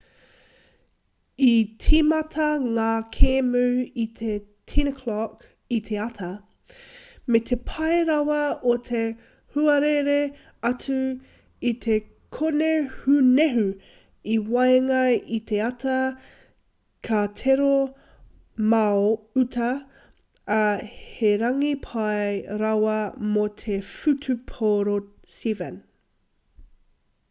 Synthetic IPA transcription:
itʰimɐtʰɐŋaːkʰeːmʉit̪ʰetʰinkʰlɔk | it̪ʰe̞ɐt̪ʰɐ | met̪ʰe̞pʰɐeɾɐwɐot̪ʰe | huɐɾeɾe | ɐtʰu | it̪ʰe | kʰonehʉneɦʉ | iwɐeŋɐjʔit̪ʰe̞ɐtɐ | kʰatʰeɾo | mɐoʉtʰɐː | heɾɐŋipʰɐeɾɐwɐmot̪ʰefʉtʰupʰoɾosivən

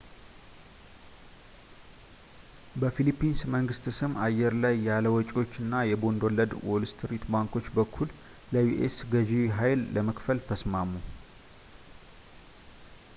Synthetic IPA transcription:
bəfilipːinsməŋɡɨst̪sɨmajɛɾlajːaləwɔt͡ʃʼo̞t͡ʃːɨnːajɛbo̞nd̪olːəd̪wolst̪ʰɨɾit̪baŋko̞t͡ʃːbəkʰːul | ləjuʔḛsɡəd͡ʒiwɦajlːəməkfəlt̪ʰəsmamu

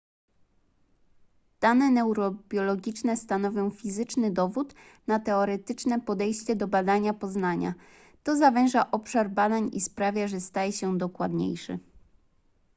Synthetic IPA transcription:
d̪̥anɛnɛwɾɔbʲjɔlɔɡʲit͡ʂnɛst̪anɔvʲjɔ̃w̃fʲizɘt͡ʂnɘd̪ɔvut̪ | nat̪ɛɔɾɛt̪ɘt͡ʂnɛpɔd̪ɛjɕt͡ɕɛd̪ɔbad̪aɲapɔznaɲa̰ | t̪ɔzavɛ̃ʐaʔɔpʂaɾbad̪aɲispɾavʲjaʐɛst̪ajɛɕɛd̪ɔkwad̪ɲḛjʂɛ̰

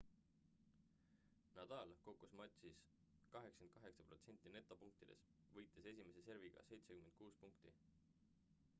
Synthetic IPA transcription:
nɑd̪̥ɑlko̞kːˑusmɑt̪ʲsis | kɑɦe̞ksɑ̥kenkɑɦe̞ksɑpro̞t̪se̞nʲt̪ːˑine̞t̪ːˑo̞puŋk̚t̪id̪̥e̞̰s | vɤjt̪ˑːese̞sʲime̞se̞se̞ɾviɡ̥ɑ̰se̞jt̪se̞kymed̪̥̚kuːspuŋkt̪i

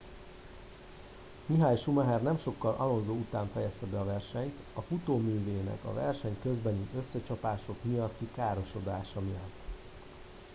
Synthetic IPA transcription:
miɦaːjʃumɛɦɛrnɛmʃo̞kːɒlɒlonzoːut̪aːɱfɛjɛst̪ɛbɛɒvɛrʃɛɲt̪ | ɒfut̪oːmyːveːnɛ̰kɒ̰vɛ̰rʃɛɲkø̞zbɛniʔø̞sːɛt͡ʃɒpaːʃo̞kmijɒt̪ːikaːɾo̞ʃo̞d̪aːʃɒmijɒt̪ː

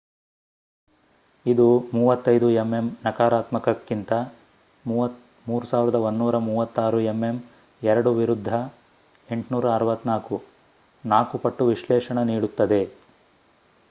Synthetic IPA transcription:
id̪umuːʋɐt̪ːɐjd̪ueme̞mnɐkaːɾaːt̪mɐkɐkːint̪ɐ | muːʋɐt̪ | muːɾusaːʋiɾɐd̪ɐonːuːɾɐmuːʋɐt̪ːaːɾue̞mːe̞m | ɛɾɐɽuʋiɾud̪ʱːɐ | e̞ɳʈnuːɾɐːɾʋɐt̪naːku | naːkupɐʈːuʋiʃlɛːʂɐɳɐniːɽut̪ːɐd̪e̞

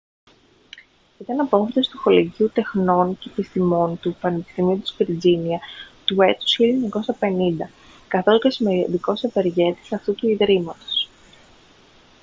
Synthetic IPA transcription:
it̪ɐnɐpo̞fet̪e̞st̪uxo̞leʝiut̪e̞xno̞ncepist̪imo̞nt̪upɐne̞pi̥st̪imiut̪i̥zviɾd͡ziniɐt̪ue̞t̪u̥sileɲɐko̞sɐpe̞nind̪ɐ | kɐθo̞scesimeðiko̞seve̞ɾʝe̞t̪i̥sɐft̪ut̪uiðɾimɐt̪o̞̥s

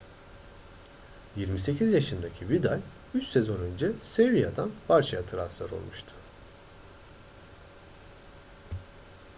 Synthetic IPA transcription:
jiɾmise̞cʰizjaʃɯnd̪acʰivid̪alʲ | yt͡ʃse̞zo̞nø̞nd͡ʒɛsevijad̪anb̥aɾt͡ʃʰajat̪ʰɯɾat̪lˠa̰ɾo̞̰lˠmuʃt̪ʰʊ̥

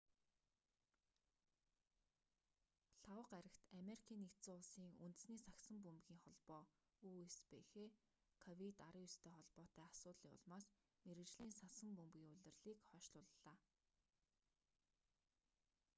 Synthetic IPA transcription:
ɬawə̆qæɾʲɪ̆xt̪ameɾikʰiːnːek̪t͡sʊːʊɮsiːŋunt̪̆sniːsaksə̆mpumpɣʲiːŋχɔɮpɔː | uːespeːxeː | kʰɔwit̪aɾə̆ːjʊst̪ʰeːχɔɮpɔːt̪æːasʊːt̪ɮiːŋʊ̰ɮmaːs | meɾɘ̆kt͡ɕɮiːnsasə̆mpɵmpɣʲiːŋʊɮʲɘ̆rɮiːkχœːʃɮʊːɮəɮ̥aː

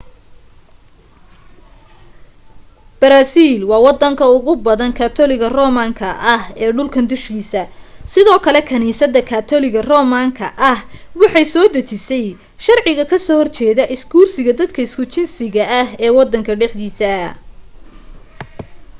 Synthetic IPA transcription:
b̥ɐɾaːsiːlwɑːwɑd̪ɐŋkʰɐʊɣʊbɐðɐnkʰaːt̪ʰɔlɪɣɐrɔːmaːŋkʰɐʔɐhɛːɖʊlkʰɐnd̪ʊʃkʰiːsɐsɪðɔːkʰɐlɛkʰɐniːsɐd̪ːɐkʰaːt̪ʰɔlɪɣɐrɔːmaːŋkʰɐʔɐhwɑħɑjsɔːd̪ɐt͡ʃɪsɛj | ʃɐrʕɪɣɐkʰɐsɔːhɔrt͡ʃɛːðɐʔɪsɡuːrsɪɣɐd̪ɐd̪kʰɐɪskʰʊt͡ʃɪnsɪɣɐʔɐɦɛːwɑd̪ɐŋkʰɐɖɛħd̪iːsɐ

